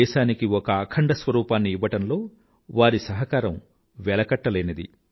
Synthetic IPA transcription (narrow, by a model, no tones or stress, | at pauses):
ɛːʃaːnikiɔkɐːkʰɐɳɖɐsʋɐɾuːpaːnːiiʋɐʈɐnlo̞ː | ʋaːɾisɐɦɐkaːɾɐm | ʋɛlɐkɐʈːɐleːnɐd̪ḭ